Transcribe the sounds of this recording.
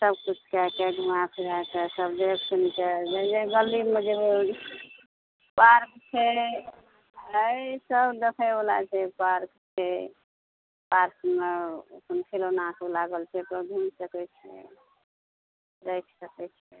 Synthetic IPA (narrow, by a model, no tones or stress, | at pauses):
səbkut͡ʃʰkakeɡʱumapʰiɾat͡ʃʰɛsəbd̪ekʰsunt͡ʃʰɛd͡ʒed͡ʒeɡəlimed͡ʒeo | paɾkt͡ʃʰɛ | əisəbd̪ekʰəolat͡ʃʰɛpaɾkt͡ʃʰɛ | paɾkmekunkʰelonakolaɡəlt͡ʃʰɛpəɡʱumsəkɛt͡ʃʰɛ̰ | ɾəjkʰsəkɛt͡ʃʰɛ